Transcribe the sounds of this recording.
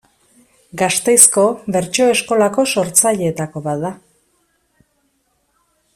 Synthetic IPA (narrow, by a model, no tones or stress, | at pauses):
ɡast̪e̞jsko̞βe̞ɾt͡ʃo̞e̞sko̞lako̞so̞ɾt͡saʎeːt̪ako̞βat̪d̪a